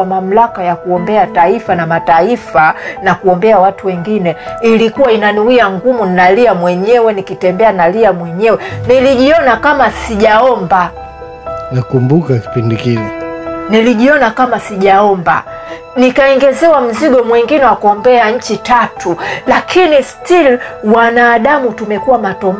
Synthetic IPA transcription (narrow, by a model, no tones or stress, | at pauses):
mam̩lakajakuɔmbɛataifanamataifanakuɔmbɛawatuwɛŋɡinɛilikuwainanuiaŋɡumuninaliamwɛɲɛwɛnikitɛmbɛanaliamwɛɲɛwɛniliʄiɔnakamasiʄaɔmba | nakumbukaki̥pindikiliniliʄiɔnakamasiʄaɔmba̰ | nikaɛŋɡɛzɛwam̩ziɡɔmwɛŋɡinɛwakɔmbɛaɲ̩t͡ʃitatʰulakʰinistilwanaːɗamutumɛkuwamatɔm